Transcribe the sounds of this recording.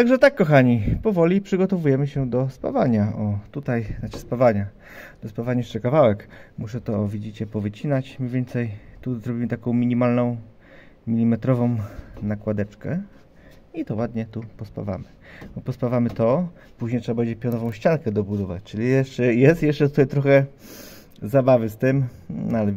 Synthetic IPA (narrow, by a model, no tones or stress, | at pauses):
t̪aɡʐɛt̪akːɔxaɲipɔvɔlʲipʂɘɡɔt̪ɔvujɛmɘɕɛd̪ɔspa̰vaɲaʔɔt̪ut̪aj̪at͡ʃɛspavaɲa | d̪̥ɔspavaɲajɛʂt͡ʂɛkavawɛkmuʂɛt̪ɔːvʲid͡ʑit͡ɕɛpɔvɘt͡ɕinat͡ɕmʲɲevjɛnt̪sɛjt̪uzɾɔbʲimɘt̪akɔ̃w̃mʲiɲimalnɔ̃w̃ | mʲilʲimɛt̪ɾɔvɔ̃w̃nakwad̪ɛt͡ʂkɛ | it̪ɔwad̪ɲɛt̪upɔspa̰va̰mɘ̥bɔpɔspavamɘt̪ɔ | puʑɲejtʂɛbabɛɲd͡ʑɛpʲjɔnɔvɔ̃w̃ɕt͡ɕalkɛd̪ɔbud̪ɔvat͡ɕt͡ʂɘlʲijɛʂt͡ʂɛjɛst̪jɛʂt͡ʂɛt̪ut̪ajt̪ɾɔxɛ | zabavɘst̪ɘm | nalɛ